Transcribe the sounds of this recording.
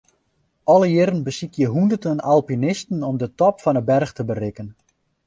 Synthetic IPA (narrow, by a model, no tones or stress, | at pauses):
ɔləjɪɾənbəsikjəɦundərdənalˠpinɪstən̩ɔmdətɔpfɔnəbɛrxtəbərɪkən